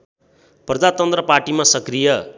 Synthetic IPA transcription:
prʌd͡zat̪ʌnt̪rʌparʈimasʌkrijʌ

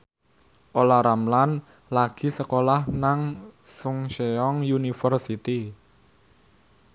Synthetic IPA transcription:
ʔolaɾamlan | laɡ̥i̤səkolahnaŋsʊŋʃeɔŋjunifərsit̪i

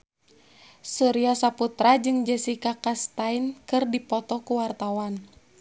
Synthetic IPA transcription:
suɾiasaput̪ɾad͡ʒɨŋd͡ʒɛsikakast̪ainkɨrdipɔt̪ɔkuwart̪awan

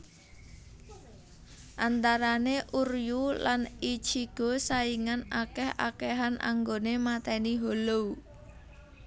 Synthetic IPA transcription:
ʔant̪aɾaneʔurjulanit͡ʃiɡ̥o̤saiŋanakɛha̰kɛɦanʔa̰ŋɡonemat̪ɛniɦolou

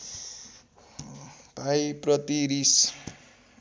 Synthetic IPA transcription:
bʱajprʌt̪iɾis

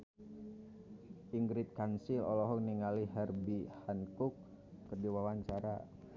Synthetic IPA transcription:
ʔiŋɡɾɪt̪̚kansilɔlɔɦɔk̚niŋaliɦɛrbihankʊk̚ː | ərdiwawaɲt͡ʃaɾa̰

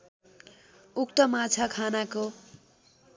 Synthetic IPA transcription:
ukt̪ʌmat͡sʰakʰanako

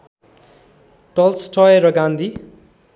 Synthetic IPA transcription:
ʈʌlsʈʰʌjeɾʌɡãnd̪ʱi

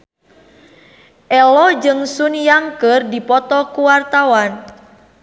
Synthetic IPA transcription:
ʔɛlɔd͡ʒɨŋsunjaŋkɨrdipɔt̪ɔkuwart̪awan

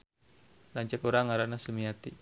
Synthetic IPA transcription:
laɲt͡ʃəkoɾaŋaɾanasəmiat̪i

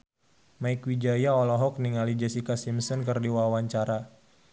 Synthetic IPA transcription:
maɪkwid͡ʒajaɔlɔɦɔk̚niŋalid͡ʒɛsikasimsɔnkɨrdiwawaɲt͡ʃaɾa

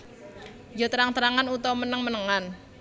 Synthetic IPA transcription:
jot̪əɾaŋt̪əɾaŋanut̪ɔmənəŋmənəŋan

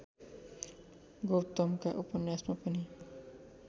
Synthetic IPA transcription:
ɡowt̪ɔmkaʔupɔnjasmapʌni

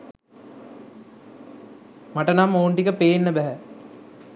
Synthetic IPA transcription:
maʈənamːoːɳʈikəpeːnːəbæɦɛ

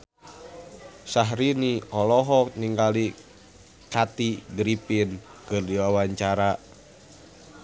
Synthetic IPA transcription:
saɦɾiniɔlɔɦɔniŋɡali | kat̪iɡɾipinkɨrdiwawaɲt͡ʃaɾa

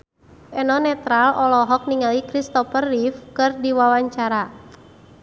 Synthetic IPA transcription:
ʔɛnɔnɛt̪ɾalʔɔlɔɦɔk̚niŋalikɾist̪ɔfərːifkɨrdiwawaɲt͡ʃaɾa

